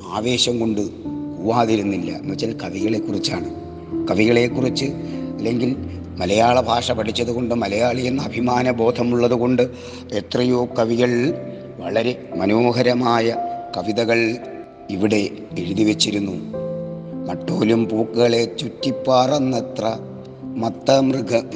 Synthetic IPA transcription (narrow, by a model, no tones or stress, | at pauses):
aːʋe̞ːɕɐmko̞ɳɖɨuʋaːðiɾunːilːɐ̰mɐt͡ɕːɐlkɐʋiɣɐɭe̞kːurit͡ɕːaːɳɨ | kɐʋiɣɐɭe̞kːurit͡ɕːɨɐlːe̞ŋɡil | mɐlɐjaːɭɐbʱaːʂɐpɐʈʰit͡ɕːɐðuɣo̞ɳɖɨmɐlɐjaːɭijenːɐːbʱimaːnɐbo̞ːd̪ʱɐmuɭːɐðuɣo̞ɳɖɨ | et̪rɐjoːkɐʋiɣɐɭ | ʋɐɭɐɾe̞mɐnoːɦɐɾɐmaːjɐkɐʋiðɐɣɐɭ | iʋiɽe̞eɻuðiʋet͡ɕːiɾunːu | mɐʈːo̞ːlumpuːkːɨɣɐɭe̞t͡ɕutːipːaːrɐnːet̪rɐ | mɐt̪ːɐmrɨɡʱɐ